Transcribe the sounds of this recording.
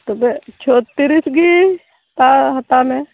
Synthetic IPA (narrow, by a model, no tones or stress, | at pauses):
t̪obet͡ʃʰot̪ːiɾisɡi | t̪aɦɐt̪amẽ